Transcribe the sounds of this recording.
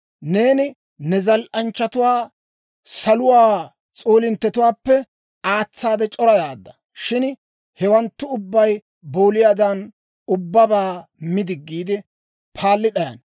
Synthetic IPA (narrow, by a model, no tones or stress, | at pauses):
ne̞ːnɪ | nɛzɐlʔɐnt͡ʃːɐt̪ʊwaː | sɐlʊwaː | t͡sʼoːlɪnt̪ːɛt̪ʊwaːpːɛ | aːt͡sːaːd̪ɛt͡ʃʼɔɾɐjaːd̪ːɐ̥ | ʃɪn | hɛwɐnt̪ːʊʊbːɐj | boːlɪjaːd̪ɐn | ʊbːɐbaːmɪd̪ɪɡːiːd̪ɪ | pʰaːlːɪɗɐjɐ̰n